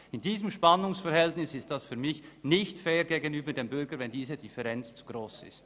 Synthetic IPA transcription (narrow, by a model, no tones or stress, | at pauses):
ɪndiːzəmʃpanʊŋsfɛʁhɛltnɪsɪst̚d̥asfyːɐmɪçnɪçtfeːɾɡeːɡənyːbədeːmbʏɾɡəvɛndiːzədɪfɛʁɛnt͡st͡su̥ɡ̥ʁoːsɪ̰st